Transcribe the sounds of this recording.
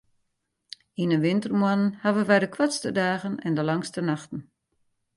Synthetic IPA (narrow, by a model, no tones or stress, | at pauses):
inənʋɪntərmwanənhaʋəʋɛjdəkʰwatstədaːɣənɛndəlaŋstənaxtən̩